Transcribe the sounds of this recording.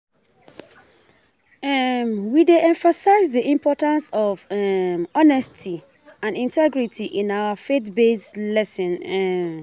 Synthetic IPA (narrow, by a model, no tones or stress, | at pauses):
ɛmwideʔɛ̃ɱfasaɪzdiʔĩmpʰɔtãnsɔvɛmɔnɛstʰi | ãnĩntʰɛɡɹitʰiʔĩnawafetbeslɛsɔ̃nɛ